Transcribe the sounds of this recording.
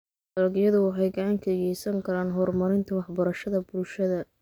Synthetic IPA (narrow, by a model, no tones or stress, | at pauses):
dɐlɐɡjɐðʊwɑħɑjɡɑʕɑŋkʰɐjɛjsɐŋkʰɐɾaːnɦɔrmɐɾɪnt̪ʰɐwɑħbɐɾɐʃɐðɐbʊlʃɐðɐ